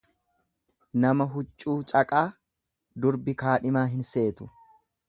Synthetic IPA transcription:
nɐmɐɦʊt͡ʃʼːuːt͡ʃʼɐkʼaː | d̪ʊɾbɪkaːᶑɪmaːɦɪnse̞ːt̪ʊ̥

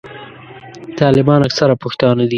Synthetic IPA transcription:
t̪ɑlɪbɑnaksaɾapʊxt̪ɑnad̪i

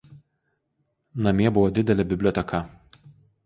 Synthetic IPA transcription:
nɐmʲiɛbʊʋɔd̪ʲɪd̪ʲɛlʲɛbʲɪbʲlʲɔːt̪ʲɛkɐ

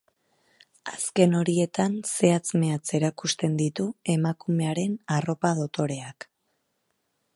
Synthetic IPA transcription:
aske̞no̞ɾie̞t̪anse̞at͡sme̞at͡se̞ɾakust̪e̞nd̪it̪ue̞makume̞aɾe̞naro̞pað̞o̞t̪o̞ɾe̞ak

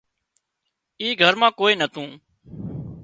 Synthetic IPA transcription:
iːɡʱəɾmãːkoːiːnət̪ʰũː

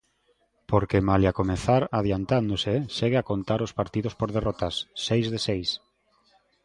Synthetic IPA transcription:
poɾkemaljakomeθaɾað̞jant̪and̪oseʃeɣeakont̪aɾospaɾt̪iðospoɾðerɔt̪asːejzðesejs

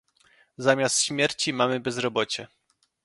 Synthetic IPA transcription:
zamʲjast̪ɕmʲjɛɾt͡ɕimamɘbɛzɾɔbɔt͡ɕɛ

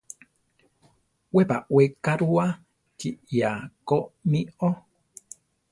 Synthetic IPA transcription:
wepa̰wekaɾua | t͡ʃijakomio

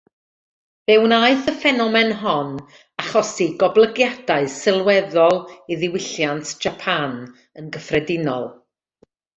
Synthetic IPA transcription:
vɛwnaɨθəfɛnɔmɛnɦɔn | aχɔsiɡɔblˠəɡjadaɨsɪlˠwɛðɔlˠiðɪwɪɬjantʰʒ̥apʰan | ənɡəfrɛdɪnɔ̰lˠ

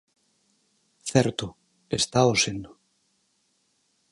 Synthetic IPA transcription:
θɛɾt̪ʊ | est̪aosend̪o

